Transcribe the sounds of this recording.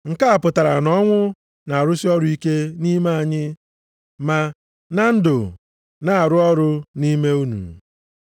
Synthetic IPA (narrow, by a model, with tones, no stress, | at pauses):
ŋ̩˨ka˦a˨pʊ˨ta˨ɾa˨nɔ˦ŋʷʊ˦ | na˨a˨ɾʊ˦sɪ˦ɔ˦ɾʊ˦i˦ke˦ni˦me˦a˨ɲɪ˦ | ma˨ | na˦n̩˦dʊ̰˨ | na˨a˨ɾʊ˦ɔ˦ɾʊ˦ni˦me˦u˦nṵ˨